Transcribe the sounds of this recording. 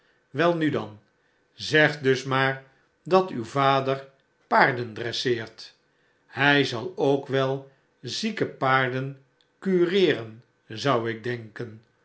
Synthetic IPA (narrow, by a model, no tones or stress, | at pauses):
ʋɛlˠnydɑ̰n | zɛχdɵsmaːɹ | dɑtywvaːdəɹ | paːɹdəndrɛsɪːɹt | hɛjzɑlˠowkʋɛlˠ | zikəpaːɹdən | kyːrɪːrən | zʌwɪɡ̚dɛŋkən